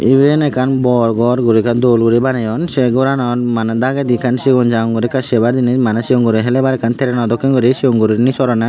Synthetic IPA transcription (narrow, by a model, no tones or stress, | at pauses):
ibenɛkanbɔɾɡɔɾɡuɾikand̪olɡuɾibanajɔnseɡɔɾanɔnmaned̪aɡad̪ikansiɡɔnd͡ʒaŋɡuɾikasebaɾd͡ʒinismanesiuŋɡuɾiɦelɛbaɾɛkʰant̪ʰeɾɛnɔd̪ɔkːiŋɡɔɾisioŋɡuɾiɾnisɔɾɔna